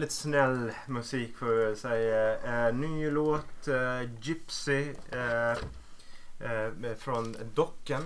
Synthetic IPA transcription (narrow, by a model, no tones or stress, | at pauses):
ɪt̪snɛlmʉsiːkfɔɾsɛɪənyːloːt̪d͡ʒɪpsɪ | fɾɔnd̪ɔkːən